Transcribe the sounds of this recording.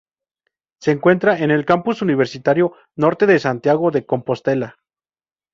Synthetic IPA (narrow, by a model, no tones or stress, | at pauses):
se̞ːŋkwe̞nt̪ɾae̞ne̞lkampusuniβ̞e̞ɾsit̪aɾjo̞ | no̞ɾt̪e̞ðesant̪jaɣo̞ðeko̞mpo̞st̪e̞la